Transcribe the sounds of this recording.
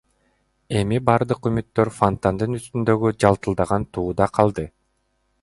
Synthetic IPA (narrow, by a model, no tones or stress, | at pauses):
e̞mibɑɾd̪ɯqymyt̪ːø̞ɾfont̪and̪ɯnyst̪ynd̪ø̞ɡyd͡ʒɑlˠt̪ɯlˠd̪ɑʁɑnt̪ʰuːd̪ɑqʰɑlˠd̪ɯ